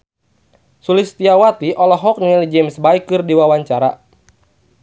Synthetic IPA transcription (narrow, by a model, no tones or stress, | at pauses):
sulɪst̪iawat̪iʔɔlɔɦɔk̚nild͡ʒemsbaikɨrdiwawaɲt͡ʃaɾa̰